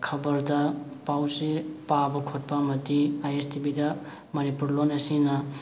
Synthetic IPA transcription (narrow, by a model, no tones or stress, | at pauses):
kʰɐbɐɾdɐpawsepabɐkʰot̚pamɐdiajestibidɐ | mɐnipuɾlonesina